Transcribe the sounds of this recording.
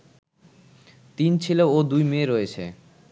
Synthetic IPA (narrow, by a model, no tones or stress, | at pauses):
t̪int͡ɕʰileod̪ujmeɾojet͡ɕʰḛ